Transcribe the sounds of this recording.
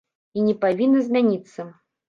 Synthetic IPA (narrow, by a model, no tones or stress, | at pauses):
inʲɛpavʲinːɐzʲmʲanʲit̪sːɐ